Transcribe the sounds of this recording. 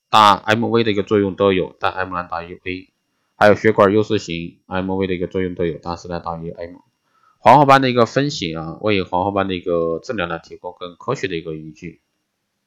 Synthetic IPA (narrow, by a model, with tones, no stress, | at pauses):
t̪a˥˩a̰˥ɪm˥˧we˥ɪd̪ə˨i˧˥ɡə˧t͡swɔ˥˧jʊ˥˩ŋt̪o˥ʊjo˨˩ʊt̪a˥˧nʔa˥ɪmu˥˧a˥nt̪a˥˩y˧˥we˥ɪ | xa˧˥ɪjo˨˩ʊɕɥɛ˧˥kwə˞˨˩jo˥˧ʊʂ̩˥˩ɕi˧˥ŋ | a˥ɪm˥˧wɪɾə˩i˧˥ɡə˧t͡swɔ˥˧jʊ˥˩ŋt̪o˥ʊjo˨˩ʊt̪a˥˩ʂ̩˥˩la˥˧ɪt̪a˥˩y˧˥ʔa˥ɪmu˥˩ | xwɑ˧˥ŋxɔ˥pa˥nd̪ə˨i˧˥ɡə˧fə˥nɕi˨˩ŋa˧wʔḛ˥˩ɪxwɑ˧˥ŋxɔ˧˥˩pa˥nd̪ə˨i˧˥ɡə˧ʈ͡ʂ̩˥˩ljɑ˧˥ŋla˧˥ɪt̪ʰi˧˥kʊ˥ŋkə˥nkʰɤ˥ɕɥɛ˧˥d̪ə˨˩i˧˥ɡə˧i˧˥t͡ɕy˥˩